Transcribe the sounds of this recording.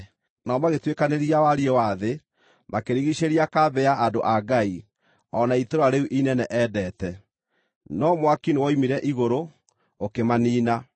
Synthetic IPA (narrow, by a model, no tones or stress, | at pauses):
naɔmaɣetwekaneɾiawaɾiɛwaðe | makeɾiɣiʃeɾiakabɛaʔadoʔaɡai | ɔnaitoɾoaɾeuʔinɛnɛʔɛdɛːtɛ | nɔmwakinewɔimiɾɛʔiɣoɾo | okemaniːna